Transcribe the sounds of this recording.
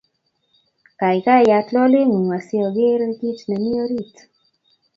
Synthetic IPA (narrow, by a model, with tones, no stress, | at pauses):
ka˨i˨ka˦˨ja˨tlɔ˦lɪ˦ŋu˨nwa˨si˦ɔ˨ɡɪ˦ɾɡi˦tnɛ˨mi˦o˦ɾi˦˨t